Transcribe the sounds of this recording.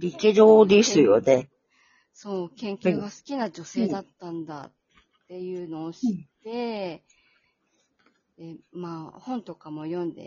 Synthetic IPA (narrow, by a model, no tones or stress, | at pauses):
ɾʲikeʑoːd̪esɨjone | so̞ːkẽ̞ŋkʲɨːɡasɨ̥kʲinad͡ʑo̞se̞ːd̪at̪ːãnd̪a̰t̪ː | e̞jɯ̟ːno̞ːɕit̪ːe̞ | d̪̥e̞maːhõ̞nt̪o̞kamo̞jõ̞nd̪e̞̰